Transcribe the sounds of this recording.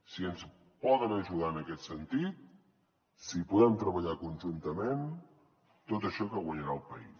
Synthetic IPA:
siəns | pɔðənəʒuðaənəkɛt̪sənt̪it̪̚ | sipuðɛmt̪ɾəβəʎakunʲʒunt̪əmen | t̪ot̪əʃɔkəɣwəɲəɾaəlˠpəis

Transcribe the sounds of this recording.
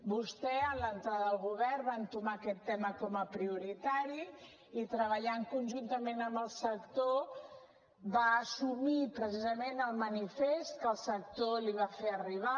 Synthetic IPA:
bust̪ɛələnt̪ɾaðəðəlˠɣuβ̞ɛrβant̪umakɛt̪ːɛməkɔməpɾiuɾit̪aɾi | it̪ɾəβəʎaŋkunʲʒunt̪əmenəmbəlˠsəkt̪o | baːsumipɾəsizəmenəlˠmənifest̪̚kəlˠsək̚t̪oliβ̞afeəriβ̞a

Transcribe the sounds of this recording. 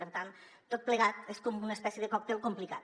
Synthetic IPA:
əɾt̪an | t̪ot̪̚pləɣat̪eskomunespɛsjeðekɔk̚t̪elˠkomplikat̪

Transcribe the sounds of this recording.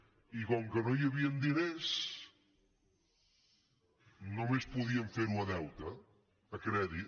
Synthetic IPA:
ikɔŋkənojɐβiɐnd̪ines | nomespuðiɐɱfeɾunɐðɛwt̪ɐː | kɾɛði

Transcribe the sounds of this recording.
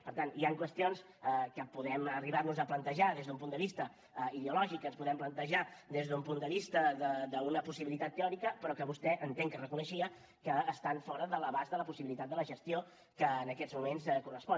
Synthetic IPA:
pəɾt̪aniaŋkwəst̪ions | əkəpuðɛməriβarnuzəplənt̪əʒaðezðump̬und̪əβist̪ə | iðeulɔʒikənspuðɛmplənt̪əʒad̪ezðumpund̪əβist̪əðəðəunəpusiβilit̪at̪ːeɔɾikəpəɾɔkəβust̪ɛʔənt̪eŋkərəkunəʃiə | kəːst̪aɱfɔɾəðələβazðələpusiβilit̪at̪̚d̪ələʒəst̪io | kəːnəkɛzmumenskurəspɔ

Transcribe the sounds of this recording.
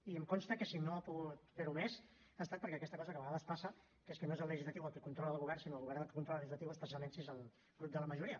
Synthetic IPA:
iəmkɔnst̪əkəsinoəpuɣut̪feɾumez | ast̪at̪̚pəɾkɛəkɛst̪əkɔzəkəβəɣaðəspasə | keskənoezələʒizlət̪iwəlˠkəkunt̪ɾɔləlɣuβɛrnsinoəlˠɣuβɛɾrnəlˠkə̥kunt̪ɾɔləlːəʒilət̪iwəspəs̬ialˠmensiezəlˠ | ɣɾup̚d̪ələməʒuɾiə

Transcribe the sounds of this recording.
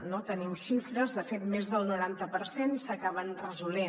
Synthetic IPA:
not̪ənimʃifɾəzðəfet̪mezðəlˠnuɾant̪əpəɾsenisəkaβ̞ənrəzule

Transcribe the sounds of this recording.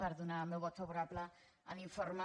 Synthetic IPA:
aɾðunamewɡɔt̪ʰɔbɔɾablaa̰niɱfɔrma

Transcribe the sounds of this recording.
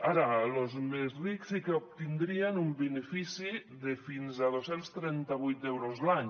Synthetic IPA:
aɾalozmezriksikeop̚t̪ind̪ɾianumbenefisi | ðefinzað̞osenst̪ɾɛnt̪aβujt̪ewɾozlaɲ

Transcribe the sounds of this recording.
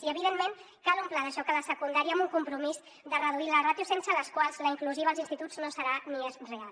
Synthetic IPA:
iəβiðemmeŋ | kalˠumplaðəʃɔkələsəkund̪aɾiəəmuŋkumpɾumiz | d̪ərəðuilərat̪jusensələskwalˠzləiŋkluziβːlˠzinst̪it̪ud͡znosəɾaniezrealˠ

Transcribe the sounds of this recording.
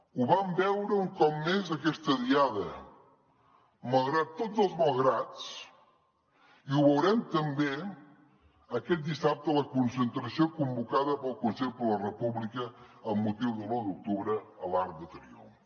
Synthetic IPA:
uβambɛwɾəuŋkɔp̚mezəkɛst̪əðiaðə | məlˠɣɾat̪ːod͡zəlˠzməlˠɣɾat͡s | iuβəwɾɛmt̪əmbe | əkɛt̪̚d̪isap̚t̪ələkunsənt̪ɾəsiokumbukaðəpəlˠkunseɾpələrəpuβlikəːmːut̪iwðəlˠod̪uk̚t̪uβɾəəlaɾk̚d̪ət̪ɾḭo̰

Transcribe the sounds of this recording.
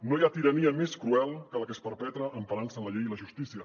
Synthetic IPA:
nojat̪iɾəniəmeskɾuɛlˠkələkəspəɾpɛt̪ɾəʔəɱpəɾansənləʎejiləʒust̪isiə

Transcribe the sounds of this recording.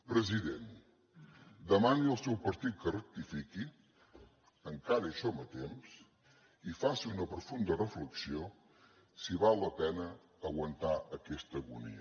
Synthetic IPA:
pɾəziðen | d̪əmaniəlˠsɛwpəɾt̪it̪̚kərək̚t̪ifiki | əŋkaɾəiʃɔmət̪ems | ifasiunəpɾufund̪ərəfləksio | siβalˠːəpɛnəː | ɣwənt̪aʔəkɛst̪əɣṵnḭə

